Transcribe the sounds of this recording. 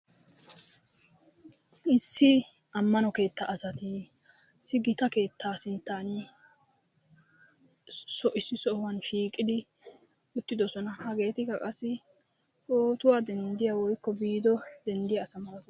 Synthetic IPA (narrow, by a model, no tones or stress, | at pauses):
ɪsːɪ | ɐmːɐnɔke̞ːt̪ːɐʔɐsɐt̪ɪ | sːɪɡɪt̪ɐke̞ːt̪ʰːaːsɪnt̪ːaːn | sɔʔɪsːɪsɔwɐnʃiːkʼːɪd̪ɪ | ʊt̪ːɪd̪ɔsɔnɐhɐɡe̞ːt̪ɪkːɐkʼɐsɪ | oːt̪ʊwaːd̪ɛnd̪ɪjawɔjkːɔbiːd̪ɔd̪ɛnd̪ɪjɐːsɐmɐlɐt̪